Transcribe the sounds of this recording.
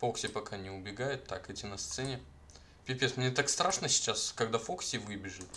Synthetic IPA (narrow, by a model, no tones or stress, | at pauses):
foksʲɪpɐkanʲɪʊbʲɪɡajʊt̪ʰːakɛt̪ʲinɐst̪sɛnʲɪ | pʲɪpʲet̪smnʲet̪akst̪ɾʔaʂnəsʲɪ̥t͡ɕaskɐɡd̪afoksʲɪvɨbʲɪʐɨt̪